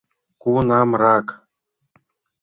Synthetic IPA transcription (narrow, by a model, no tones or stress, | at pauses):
kunɑmɾɑk